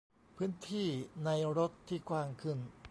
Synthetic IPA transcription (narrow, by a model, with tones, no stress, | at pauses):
pʰɯː˦˥nt̪ʰiː˥˩na˧jɾo˦˥t̪ʰːiː˥˩kʰwaː˧ŋkʰɯ˥˩n